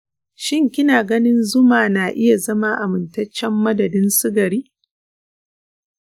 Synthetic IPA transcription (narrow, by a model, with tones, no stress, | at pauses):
ʃɪ˦ŋkʲɪ˦naː˨ɡɐ˦nɪ˦nzʊ˦maː˨naː˨ʔɪ˦ja˨zɐ˦ma˦ʔa˨mɪ˨ntɐ˦t͡ʃːɛ˦mːɐ˦dɐ˨dɪ˦nsɪ˦ɡɐ˨ɾiː˦